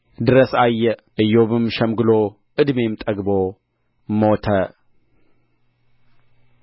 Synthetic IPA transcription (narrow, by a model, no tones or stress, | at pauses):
d̪ɨɾəsajːɛʔɨjːoβɨmʃɛmɡɨlo | ʔɨd̪me̞mt̪ʼəɡbo | mot̪ʰə